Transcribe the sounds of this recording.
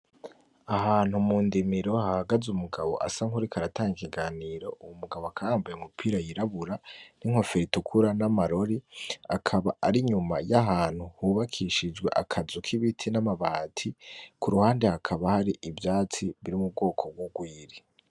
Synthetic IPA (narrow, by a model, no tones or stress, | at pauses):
ahaːn̥humuːndimiɾo̞hahaɡazumuɡaβo̞̰ʔa̰saŋhuɾikʰaɾataːŋɡikiɡaːniːɾo̞ʔuumuɡaβoakʰajaːmbajeumupʰiːɾajiɾaβuɾaniŋ̥ho̞feɾitukʰuɾanamaɾo̞ɾiakʰaβaʔaɾiɲuma̰jaɦaːn̥huhuβakʰiʃid͡ʒɡwe̞̰ʔa̰kʰazukʰiβitʰinamaβaːtʰikuɾuhaːndehakʰaβahaɾiʔivjaːt͡siβiɾimub̚ɡo̞ːkʰo̞b̚ɡwoɡwiːɾi